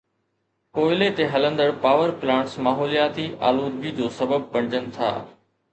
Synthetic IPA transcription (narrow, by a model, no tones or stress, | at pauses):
koːɪlet̪eɦɐlə̃nd̪əɽpaːʋəɾplãːɳʈsmaːɦoːlijaːt̪iʔa̰ːluːd̪̚bid͡ʑoːsɐbəb̚pɐ̃d͡ʑənɪ̆t̪ʰa̰ː